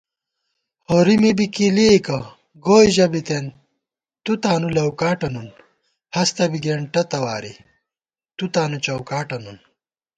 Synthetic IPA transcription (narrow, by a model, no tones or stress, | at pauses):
hoːɾimibikilikɐ | ɡoːjʑɐbit̪en | t̪ut̪aːnulɐwkaːʈɐnun | hɐst̪ɐbiɡeɳʈɐt̪ɐwaːɾḭ | t̪ut̪aːnut͡ɕɐwkaːʈɐnun